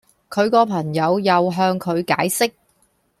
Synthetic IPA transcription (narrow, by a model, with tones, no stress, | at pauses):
kʰɵ˨˧ɥkɔː˧pʰɐ˨˩ŋjɐ˨˧wjɐ˨wɦœː˧ŋkʰɵ˨˧ɥka̰ː˨˥jsɪ˥k̚